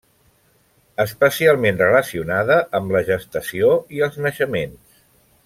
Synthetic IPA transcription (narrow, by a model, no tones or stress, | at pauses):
əspəsialˠmenrələsiunaðəʔəmləʒəst̪əsioiəlˠznəʃəmens